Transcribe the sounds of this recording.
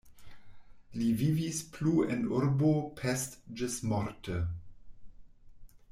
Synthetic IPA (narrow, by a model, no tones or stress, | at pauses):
livivispʰluɛnuɾbopʰɛstd͡ʒəsmɔɾtʰə